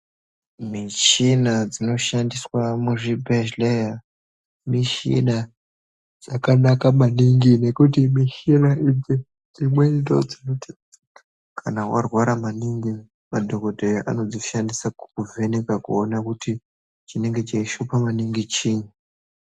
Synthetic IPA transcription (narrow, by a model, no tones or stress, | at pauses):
mit͡ʃinad͡zino̞ʃandiswamuʐibʱeʃleja | miʃḭna | d͡zakanakamaniŋɡine̞kutimiʃinaʔid͡ze | d͡zimwendo̞d͡zinot | kʰanawarwaɾamaniŋɡi | madʱo̞ko̞dʱejoʔa̰no̞d͡ziʃandisakukuve̞nekakṵonakuti | t͡ʃine̞ŋɡe̞t͡ʃeiʃupamaniŋɡit͡ʃiːɲu